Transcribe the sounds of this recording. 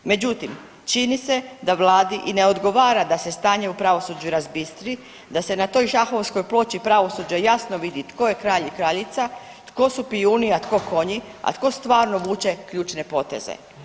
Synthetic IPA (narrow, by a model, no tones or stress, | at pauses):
me̞d͡ʑut̪im | t͡ʃinise̞d̪aʋlˠaːd̪iʔine̞o̞d̪ɡo̞ʋaːɾad̪ase̞st̪aːɲeupɾaʋo̞sud͡ʒuɾazbist̪ɾi | d̪ase̞nat̪o̞ːjʒaxo̞ʋsko̞jplo̞t͡ɕipɾaʋo̞suːd͡ʑajasnoʋid̪it̪ko̞jekɾaːʎikɾaʎit̪sa | t̪ko̞supiuniat̪ko̞ko̞ɲia̰t̪ko̞st̪ʋaːɾno̞ʋuːt͡ɕe̞kʎuːt͡ʃne̞po̞t̪e̞̰zḛ